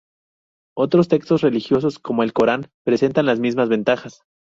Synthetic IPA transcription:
o̞t̪ɾo̞st̪e̞kst̪o̞srelixjo̞s̬o̞sko̞mo̞e̞lko̞ɾanpɾe̞se̞nt̪anlazmizmazβe̞nt̪axas

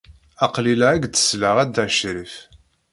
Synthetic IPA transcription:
ɑqlilæɡt̪ːə̥slaʁæd̪æʕʃɾif

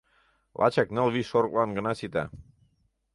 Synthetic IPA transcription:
lʔɑ̰t͡ɕɑknə̆lβiʃoɾɤklɑnɡə̆nɑsit̪æ̰

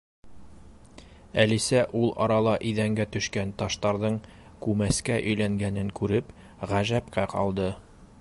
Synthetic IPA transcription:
ælisæʔulˠɑ̰ɾɑlˠɑʔiðæŋɡæt̪ɵ̆ʃkænt̪ɑʃt̪ɑɾðɤɴ | kʉmæskæʔɵ̆jlæŋɡænɘŋkʉɾɘp | ʁæʒæpkæqʰɑ̰lˠd̪ɤ

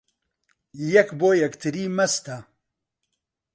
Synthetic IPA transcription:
jɛkboːjɛkt̪ʰɨɾiːmɐst̪ɐ

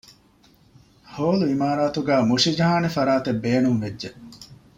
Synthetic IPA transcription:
hoːluimaːɾaːt̪uɡæːmuʂid͡ʒɐɦaːnefɐɾaːt̪ebːeːnumʋedːe

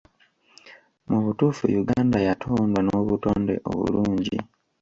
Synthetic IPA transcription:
muβutuːfṵjuɡaːndajatʰoːndwanoβutoːnde̞̰ʔo̰βṵluːɲɟḭ

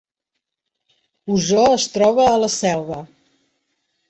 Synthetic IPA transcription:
uzɔəst̪ɾɔβ̞əːləsɛlˠβə

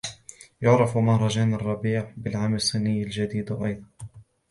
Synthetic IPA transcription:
jʊʕɾɑfmahɾˤɑd͡ʒaːnɑrˤːɑbiːʕbɪlʕaːmlsˤːɨnːɪjːald͡ʒad̪iːd̪ʔɑjd̪ˤɑn

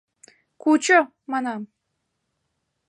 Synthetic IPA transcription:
kut͡ɕə | mɑnɑm

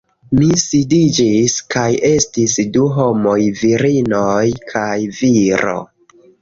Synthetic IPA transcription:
misidid͡ʒiskaje̞stisduɦo̞mojviɾinojkʰajviɾo̞̰

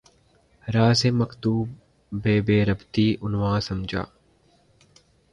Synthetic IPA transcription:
ɾaːseːmɐkd̪uːb | beːbeːɾəbt̪iːʔʊnwaːsɐmd͡ʒa̰ː

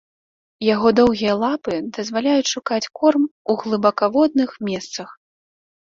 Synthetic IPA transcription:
jaɣɔd̪ɔwɣʲijɐlˠapɨd̪ɐzvalʲajut͡sʲʂukat͡sʲkɔrmuɣlˠɨbakavɔd̪̚nɨxmʲɛst̪sɐx

